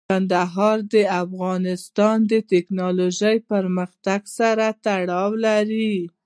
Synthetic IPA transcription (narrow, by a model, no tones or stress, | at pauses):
and̪aɦɑɾd̪əafɣɑnɪst̪ɑnd̪ət̪ɪknɑloʒəjpəɾməxt̪aɡsaɾat̪aɽɑwlaɾi